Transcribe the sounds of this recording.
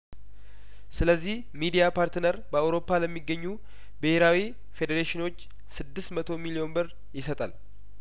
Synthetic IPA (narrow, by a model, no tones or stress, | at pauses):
sɨləzːih | mid̪ijapʰaɾt̪ɨnəɾbəawɾo̞pːaləmːiɡːəɲːu | bɨhe̞ɾawi | fe̞d̪eɾeʃɪno̞t͡ʃː | sɨd̪ːɨsmət̪ʰo̞milio̞nbɨɾ | jɪsət̪ʼal